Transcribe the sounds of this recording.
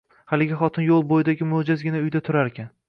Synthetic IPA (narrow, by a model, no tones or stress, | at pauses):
halɪɡʲɪχɒt̪ʰɪnjolˠbojɪd̪aɡʲɪmʊhd͡ʒazɡʲɪnaʊjd̪at̪ʰʊɾaɾekʲʰan